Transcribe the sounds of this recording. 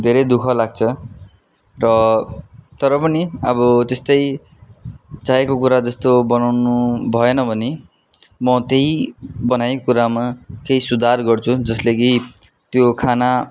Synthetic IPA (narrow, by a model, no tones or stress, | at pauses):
d̪ʱeɾʌjd̪ukʰʌlaɡ̚t͡sʰʌ | rʌ | t̪ʌɾʌpʌniʌbʌt̪est̪ʌj | t͡saɦekokuɾad͡zʌst̪obʌnawnubʱʌenʌbʱʌne | mʌt̪eɦibʌnajkuɾamakeɦisud̪ʱarɡʌrt͡sʰud͡zʌsleɡi | t̪jokʰana